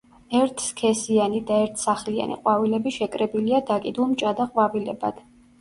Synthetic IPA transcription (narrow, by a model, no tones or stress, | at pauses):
ɛɾt̪ʰskʰɛsianid̪aɛɾt̪ʰsaχlia̰nḭqʼwavilɛbiʃɛkʼɾɛbiliad̪akʼid̪ulˠmt͡ʃʼad̪aqʼwavilɛ̰ba̰d̪̥